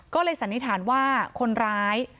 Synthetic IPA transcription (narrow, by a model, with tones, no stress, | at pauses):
kɔː˥˩lɤː˧jsa˨˩˦nːi˦˥t̪ʰaː˩˦nwaː˥˩kʰo˧nɾaː˦˥j